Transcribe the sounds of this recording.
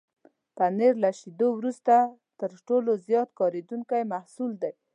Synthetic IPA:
paneɾlaʃid̪owɾust̪a | t̪əɾʈolozjɑt̪̚kɑɾed̪uŋkajmahsuld̪aj

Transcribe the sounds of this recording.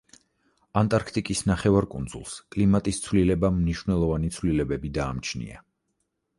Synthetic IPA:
ant̪ʼaɾkʰt̪ʼikʼisnaχɛvaɾkʼṵnd̪zṵlˠskʼlimat̪ʼist̪sʰvlilɛbamniʃwvnɛlˠɔvanit̪sʰvlilɛbɛbid̪aːmt͡ʃʰnḭa̰

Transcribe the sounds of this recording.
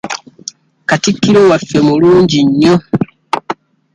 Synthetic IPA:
katikːiɾowafːemuluːɲɟiɲːo

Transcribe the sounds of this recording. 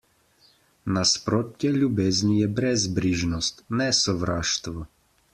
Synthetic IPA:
naspɾoːt̪jɛlʲjubeːznijɛbɾɛzbɾiʒnɔst̪nɛsɔʋɾaːʃt̪ʋɔ

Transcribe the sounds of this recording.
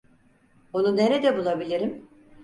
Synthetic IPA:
onuneɾed̪ɛbulˠabilʲiɾim

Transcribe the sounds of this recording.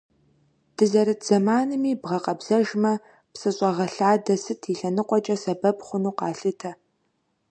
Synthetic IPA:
d̥ɨzɐɾɨtʰz̥ɐmaːnɨmiːbʁɐqɐbz̥ɐʒmɐ | psɨɕʼɐʁɐɬaːdɐsɨtʰiɬɐnɨqʷʼɔt͡ʃʼɐsɐbɐbχʷʊnuːqɑːɬɨtʰɐ

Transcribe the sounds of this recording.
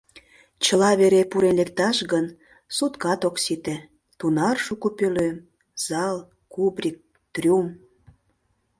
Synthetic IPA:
t͡ɕəlɑβeɾepuɾenlek̚t̪ɑʃɣən | sut̪kɑt̪oksit̪ĕ | t̪unɑrʃukopøløm | z̥ɑl | kubrʲik̚ | t̪rʲum

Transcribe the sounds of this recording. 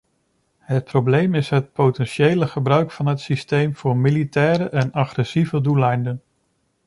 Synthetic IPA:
ɦət̚problejmɪsɦət̚potɛnʃejləχəbrœɥkfɑnɦətsistejmv̥ʊːɹmilitɛːɾəʔɛnɑχrɛsivədulɑjndən

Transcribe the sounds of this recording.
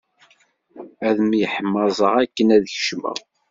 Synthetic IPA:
æðəmjəħmːɑzˤəʁækːənæðəçə̥ʃmə̰ʁ

